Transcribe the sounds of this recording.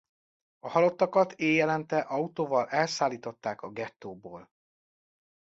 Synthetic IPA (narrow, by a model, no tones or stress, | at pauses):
ɒhɒlo̞t̪ːɒkɒt̪eːjɛlɛnt̪ɛʔɒut̪oːvɒlɛlsaːlːiːt̪o̞t̪ːaːkɒɡɛt̪ːoːboːl